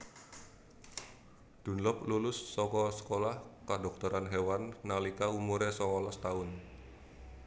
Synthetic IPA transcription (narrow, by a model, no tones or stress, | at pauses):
d̥ṳnlɔplulʊsːɔkɔsə̥kolahkadɔk̚t̪ɔɾanɦewanːalikaumuɾesɔŋɔlɔst̪aʊn